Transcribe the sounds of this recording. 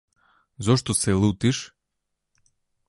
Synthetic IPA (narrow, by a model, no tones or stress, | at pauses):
zɔʃt̪osɛlˠut̪iʃ